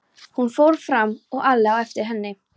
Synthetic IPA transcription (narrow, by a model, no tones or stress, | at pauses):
hʊnfoːɾfɾamːɔʔalːaɛft̪əɾɦɛnːə